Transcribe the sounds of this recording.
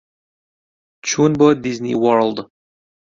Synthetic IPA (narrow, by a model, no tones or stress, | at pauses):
t͡ʃʰunbəd̪iznʲḭwɔɾld̪